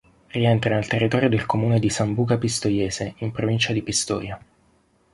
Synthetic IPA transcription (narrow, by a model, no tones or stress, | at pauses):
riɛnt̪ɾanalt̪erːit̪ɔːɾjod̪elkomuːned̪isambuːɡapist̪ojɛːzeimpɾovint͡ʃad̪ipist̪ɔ̰ːja